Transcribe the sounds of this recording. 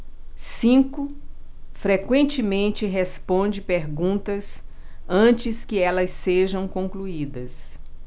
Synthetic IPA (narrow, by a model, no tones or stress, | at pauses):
sĩkʊ | fɾekwẽnt͡ʃɪmẽnt͡ʃɪɦespõnd͡ʒɪpeɾɡũnt̪ɐs | ɐ̃t͡ʃɪskɪɛlɐseʒɐ̃w̃kõŋkluid̪ɐs